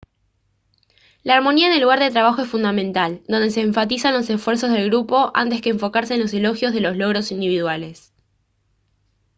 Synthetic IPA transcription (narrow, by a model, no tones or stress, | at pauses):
laːɾmo̞niaene̞lːuɣaɾðe̞t̪ɾaβaxo̞e̞sfund̪amẽ̞nt̪ald̪o̞nd̪e̞seːɱfat̪isanlo̞se̞fweɾso̞zð̞e̞lɣɾupo̞ʔa̰nt̪eskeːɱfo̞kaɾse̞ːnlo̞se̞lo̞xjo̞zð̞e̞lo̞slo̞ɣ̞ɾo̞sind̪iβiðwale̞s